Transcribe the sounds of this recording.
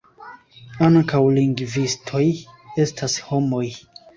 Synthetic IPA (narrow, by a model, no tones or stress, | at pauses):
aŋkawliŋɡvistʰo̞je̞stʰasho̞mo̞j